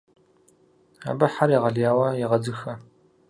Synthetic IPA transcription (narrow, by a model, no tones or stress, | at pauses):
a̰ːbɐħaɾjeʁɐɮjaːwɐjɛʁɐd͡zɨxɐ